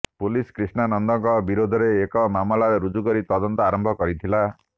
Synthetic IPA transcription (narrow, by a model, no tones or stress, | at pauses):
puliskɾisnanɔnd̪ɔŋkɔbiɾod̪ʱɔɾeːkɔmamɔlaɾeɾud͡ʒukɔɾit̪ɔd̪ɔnt̪ɔaɾɔmbʱɔkɔɾit̪ʰila